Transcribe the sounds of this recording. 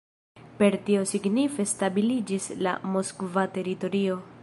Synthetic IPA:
pe̞ɾtio̞siɡnife̞stabilid͡ʒisla̰moskvate̞ɾito̞ɾio̞

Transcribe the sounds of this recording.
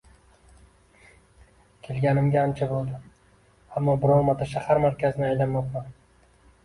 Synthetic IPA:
kʲʰelɡʲanɪmɡʲaant͡ʃʰabolˠd̪ɪ | amːɒbɪɾɒɾmat̪ʰaʃahaɾmaɾkʲʰazɪnɪajlanmɒq̚man

